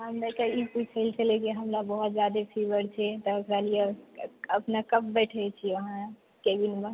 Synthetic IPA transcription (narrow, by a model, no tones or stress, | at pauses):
ɦəmdekaiput͡ʃʰəlt͡ʃʰəlɛkiɦəmɾabəɦut̪d͡ʒad̪epʰiʋəɾt͡ʃʰɛt̪ɔəkɾalieəpnakəp̚bɛʈʰɛt͡ʃʰiəɦã | kebinmə